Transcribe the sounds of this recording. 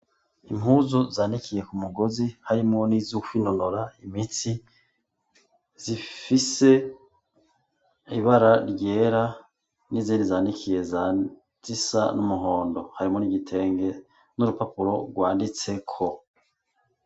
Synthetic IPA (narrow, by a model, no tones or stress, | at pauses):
imuzuzaːndikʰije̞kumuɡo̞zihaɾimŋo̞nizukino̞noɾaimit͡si | z̥ifise̞ | iβaɾaɾɟe̞ːɾa | niziːndizaːnikʰije̞za | z̥isa̰numuɦo̞ːndo̞haɾimŋo̞niɡitʰe̞ːŋɡe̞ | nuɾupapuɾo̞ɾɡwaːndit͡se̞kʰo̞